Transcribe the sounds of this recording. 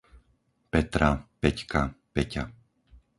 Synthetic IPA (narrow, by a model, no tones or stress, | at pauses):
pɛt̪ɾapɛckapɛca